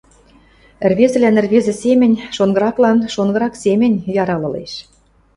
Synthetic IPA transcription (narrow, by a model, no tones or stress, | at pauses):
ɘ̆rβezɘ̆lʲænɘ̆rβezɘ̆semʲɘ̆nʲʃonɡɤ̆ɾɑklɑnʃonɡɤɾɑksemʲɘ̆nʲjɑɾɑlɤ̆lḛʃ